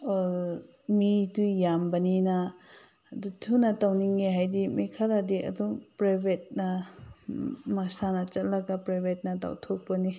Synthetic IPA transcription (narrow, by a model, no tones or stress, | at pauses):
midujjambanina | dutʰunatawniŋeɦajdimikʰaɾadiʔɐ̰duŋpɾajbʱet̚na | masanɐt͡ʃɐt̚laɡapɾajbʱet̚nata̰wtʰok̚pɐni